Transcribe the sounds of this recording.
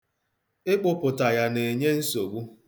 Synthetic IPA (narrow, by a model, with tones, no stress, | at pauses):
ɪ˦k͡pʊ˦pʊ˨ta˨ja˦ne˨ɲe˦n̩˦so˨ɡ͡bu˦